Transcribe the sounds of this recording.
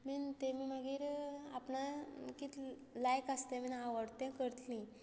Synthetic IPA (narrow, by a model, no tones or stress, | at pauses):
mint̪emiːməɡiːɾa̰pnakit̪ | lajkəst̪ẽminaʋəɽt̪ɛ̃kəɾt̪lĩ